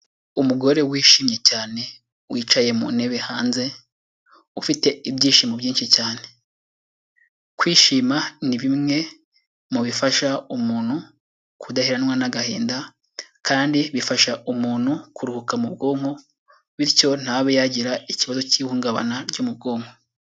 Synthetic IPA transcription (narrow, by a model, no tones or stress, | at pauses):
umuɡo̞ɾe̞wiːʃiːmɲe̞caːne̞ | wiːt͡ʃaje̞mṵne̞βe̞haːnze̞ | ufite̞ibjiːʃiːmobjiːnʃicaːne̞ | kwiːʃiːmaniβimŋe̞ | muβifaʃaumuːnhu | kʰudahiɾanwanaɡahiːnda | kʰaːndiβifaʃaʔumuːn̥hukʰuɾuhukamubɡo̞ːŋho̞ | βiɾco̞n̥haβejaɟiɾaiciβazo̞ciːhuːŋɡaβa̰naɾɟumub̚ɡo̞ːŋho̞